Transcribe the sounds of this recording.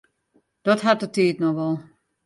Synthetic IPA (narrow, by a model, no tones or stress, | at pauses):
d̥ɔtɦat̚ətiːətnɔxʋɔlˠ